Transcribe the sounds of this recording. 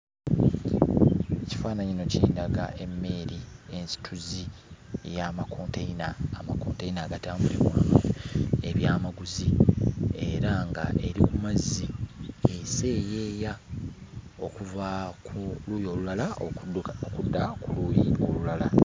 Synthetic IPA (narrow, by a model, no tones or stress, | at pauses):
eci̥faːnaɲino̞ciiːndaɡa̰ʔe̞mːe̞ɾie̞nsi̥tʰuzijamakʰo̞ːnteinaːmakoːntejnaːɡataːmbulimwaːmo̰e̞βjaːmaɡuzi | e̞ɾaŋɡa̰ʔe̞ɾikumaziese̞ːje̞ːja | o̞kuvauluːjo̞ːlulala | okudːakulujiolulala